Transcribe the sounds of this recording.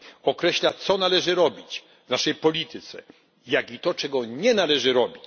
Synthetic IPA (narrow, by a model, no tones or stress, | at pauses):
ɔkɾɛɕlat̪sɔnalɛʐɘɾɔbʲit͡ɕ | vnaʂɛjpɔlʲit̪ɘt̪sɛ̰ | jaɡit̪ɔt͡ʂɛɡɔɲɛnalɛʐɘɾɔbʲit͡ɕ